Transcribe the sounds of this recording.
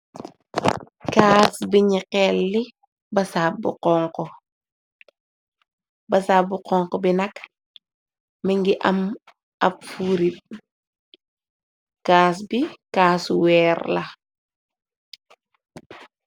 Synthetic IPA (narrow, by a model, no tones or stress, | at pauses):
kaːsbiɲiqɛlːi | bɐsaːb̚bṵqɔŋkɔ | bɐsabuqɔŋkɔbinɐk | miŋɡiʔɐm | ɐpfuɾit̚ | kaːsbikaːsuwɛːɾlɐ